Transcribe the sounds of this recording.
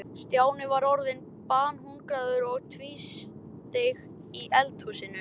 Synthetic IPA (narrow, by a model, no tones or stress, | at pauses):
st̪jaːwnɪvaɾɔɾðɪn | paːnhuŋkɾaðʏɾɔɣt̪ʰviːs | t̪eɣ | iʔɛlt̪husɪnʏ